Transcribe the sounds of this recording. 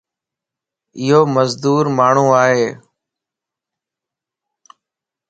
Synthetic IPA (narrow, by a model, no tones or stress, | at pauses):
ɪɦoːməzd̪uːɾmaːɳ̤ũːaːɦeː